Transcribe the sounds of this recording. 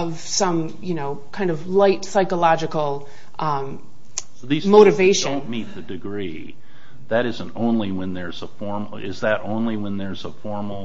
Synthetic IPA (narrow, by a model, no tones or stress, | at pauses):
ʌv̥sʌ̃m | jɨnoʊkʰãɪ̃ndʌvlaɪtsaɪkəlɑd͡ʒɨkl̩ˠ | ʔʌ̃m | ðizmoʊɾɨveɪʃɨ̃ʊ̃nmit̪̚ðɨdɨɡɹi | ðɨɾɪzə̃ntõʊ̃nliwə̃nðə˞zəfɔɹm̩ | ɪ̰zðɨɾõ̰ʊ̃nliwə̃nðə˞zəfɔɹml̩ˠ